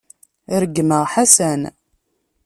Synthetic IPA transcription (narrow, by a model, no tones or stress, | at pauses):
ɾəɡːməʁħasæn